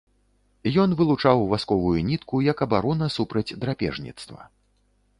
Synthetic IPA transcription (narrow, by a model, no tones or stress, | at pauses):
jɔnvɨlˠut͡ʂawvaskɔvujunʲit̪kujɐkɐbaɾɔnɐsupɾɐd͡zʲd̪ɾapʲɛ̰ʐnʲḭt̪st̪vɐ̰